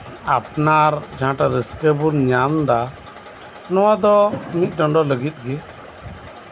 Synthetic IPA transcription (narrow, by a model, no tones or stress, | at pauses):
apnaɾd͡ʒʱãʈaɾəskəbuɾɲamd̪a | nɔwad̪ɔmit̪̚ˀɖɔɳɖɔləɡit̪̚ɡɛ